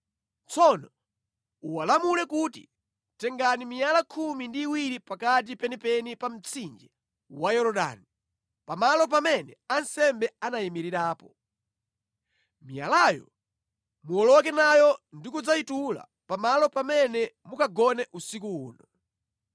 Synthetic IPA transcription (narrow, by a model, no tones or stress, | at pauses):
t͡sɔnɔ | uwalamulɛkutḭ | tɛŋɡanimijalakʰumindiːwiɾipakat̬ipɛnipɛnipam̩t͡sʰind͡ʒi | wajɔɾɔɗa̰ni | pamalɔp̬amɛnɛansɛmbɛanajimiɾiɾaːpɔ | mija̰lajɔ̰ | muɔlɔk̬ɛnajɔndikud͡zaitula̰ | pamalɔpamɛnɛmukaɡɔnɛʔusik̬uuːnɔ